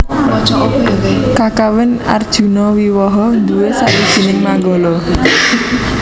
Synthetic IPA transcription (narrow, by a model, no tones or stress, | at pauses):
ɔd͡ʒ̥ɔɔpkakawɪna̰rd̥ʒ̥ṳnɔwiwɔɦɔd̪uwesa̰ʔwid̥ʒ̥i̤nɪŋmaŋɡɔlɔ